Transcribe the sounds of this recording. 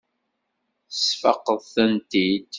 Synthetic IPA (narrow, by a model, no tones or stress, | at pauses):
θəsfɑ̰qːəðˤθənt̪id̪